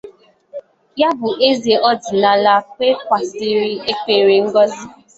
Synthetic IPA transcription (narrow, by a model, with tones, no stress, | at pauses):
ja˦bʊ˨ʔe˦ze˨ʔɔ˦di˨na˨la˦k͡pe˦kʷa˨si˦ɾi˦e˦ke˨ɾe˨ŋ̩˦ɡɔ˦zi˦